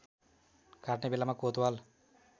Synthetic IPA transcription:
kaʈnebilːamakoːt̪wal

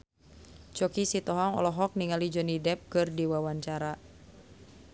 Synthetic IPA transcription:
t͡ʃɔkisit̪ɔɦɔŋɔ̰lɔɦɔk̚niŋalid͡ʒɔnidɛp̚kɨrdiwawaɲt͡ʃaɾa

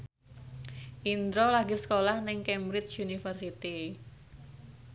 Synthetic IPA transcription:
ʔind̪ɾolaɡisə̥kolahnɪŋkɛmbɾɪt͡ʃunifərsit̪i

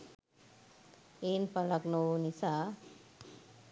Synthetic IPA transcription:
enpalaknownisa

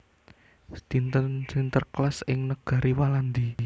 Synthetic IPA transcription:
st̪int̪əsint̪ərklasɪŋnəɡ̥a̤ɾʔiwaland̪i

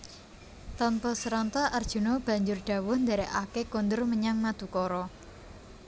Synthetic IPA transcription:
t̪ɔnpɔsəɾɔnt̪ɔard̥ʒ̥ṳnɔb̥a̤ɲd͡ʒʊrɖ̥a̤wʊhnd̪aɾeʔakekond̪ʊrməɲaŋmad̪̥ṳkɔɾɔ

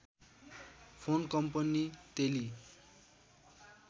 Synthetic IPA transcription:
pʰonkʌmpʌnit̪eli

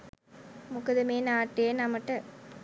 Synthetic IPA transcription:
mʊkɐðɐmeːnaːʈːeːnɐmɐʈːɐ

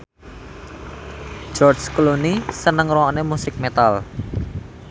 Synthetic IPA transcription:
d͡ʒ̥ɔrt͡ʃklonisənəŋɾɔwɔnemusɪk̚met̪al

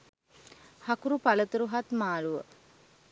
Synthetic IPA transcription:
hakuɾupalət̪uɾuɦat̪maːluʋə

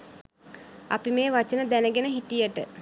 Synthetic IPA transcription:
a̰pimeːʋat͡ʃənəd̪ænəɡenəɦit̪ijəʈə

